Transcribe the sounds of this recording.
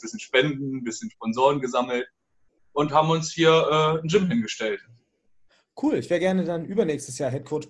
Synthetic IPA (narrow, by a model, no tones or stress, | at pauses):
bɪsçənʃpɛndn̩n̩bɪsçənʃpɔnzoːʁənɡəzaml̩t̚ | ʔʊnthaːbm̩ʊnshiːɐʔɛːnd͡ʒɪmhɪnɡəʃtɛlt | kʰuːlɪçvɛːɐəɡɛɐnədanʔyːbɐnɛːçstəsjaːɦɛt̚kʰot